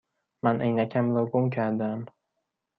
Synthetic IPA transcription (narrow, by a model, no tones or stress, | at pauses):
manʔejnakʲʰamloɡʊmkʲʰaɾd̪ɪm